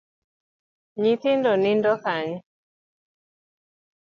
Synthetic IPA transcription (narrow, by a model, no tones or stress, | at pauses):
ɲit̪indɔnindɔkaɲ